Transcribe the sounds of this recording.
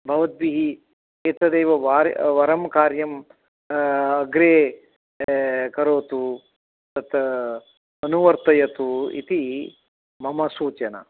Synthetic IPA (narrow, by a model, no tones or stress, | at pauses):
bʱɐʋɐt̪̚biɦi | eːt̪ɐd̪eːʋɐʋaːɾʋɐɾɐmkaːɾjɐm | ɐɡɾeː | kɐɾoːt̪u | t̪ɐt̪ | ɐnuʋɐɾt̪ɐjɐt̪uḭt̪i | mɐmɐsuːt͡ʃɐnɐ̰